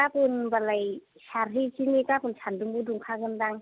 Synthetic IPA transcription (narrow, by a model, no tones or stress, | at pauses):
apunbalajhaɾɦit͡ʃinikapunsʰanduŋbuduŋkʰaɡɯndaŋ